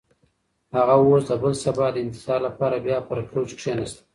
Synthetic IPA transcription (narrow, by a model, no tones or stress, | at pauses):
haɣawosd̪əbəlsabɑd̪əɪnt̪ɪ̥sɑɾlapɑɾabjɑpəɾpɾot͡ʃkʂenast̪ḁ